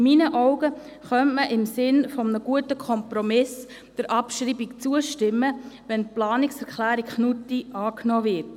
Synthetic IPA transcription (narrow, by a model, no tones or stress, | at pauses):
minəʔɔʊɡə | χœntməʔɪmsɪnfɔmnəɡ̥uətəkʰɔmpɾɔmɪs | d̪̥əɾʔɑpʃɾiːbikt͡suəʃtɪmːəʋɛnplɑːniksɛɾklæːɾikχnutiɑːknɔːvɪɾt